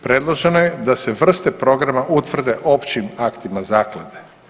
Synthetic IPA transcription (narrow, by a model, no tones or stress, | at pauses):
pɾe̞d̪lˠoʒenojed̪aseʋr̩st̪epɾo̞ɡɾamaʔut̪ʋr̩d̪e̞ʔo̞pt͡ɕimakt̪imazaːklad̪e